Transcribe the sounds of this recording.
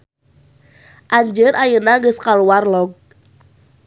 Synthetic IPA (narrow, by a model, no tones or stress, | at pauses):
ʔaɲd͡ʒənajənaŋɡəskaluwarlɔɡ̚